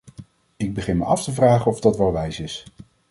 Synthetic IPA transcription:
ɪɡ̚bəχɪnmə̰ʔɑ̰ftəvraːχənɔvdɑtʋɛlˠʋɛjsɪs

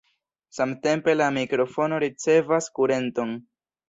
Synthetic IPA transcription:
samte̞mpe̞lamikɾo̞fo̞no̞ɾit͡se̞vaskuɾe̞nto̞n

